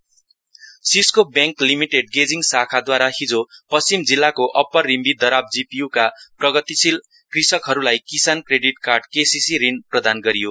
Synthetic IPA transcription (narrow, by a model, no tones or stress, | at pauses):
siskobjãŋklimiʈeɖɡed͡ziŋɡsakʰad̪waɾaɦid͡zopʌst͡simd͡zilːakoʔʌpːʌrːimbid̪ʌɾab̚d͡zipijukaprʌɡʌt̪isil | krisʌkɦʌɾulajkisankreɖiʈkarɖkesisiɾinprʌd̪anɡʌɾijo